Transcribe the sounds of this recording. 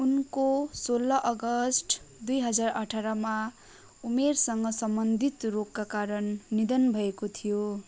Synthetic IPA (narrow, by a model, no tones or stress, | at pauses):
unkosolːʌʔʌɡʌsʈd̪ujɦʌd͡zarʌʈʰaɾʌma | umersʌŋɡʌsʌmbʌnd̪ʱit̪rokːakaɾʌnːid̪ʌnbʱʌekot̪ʰijo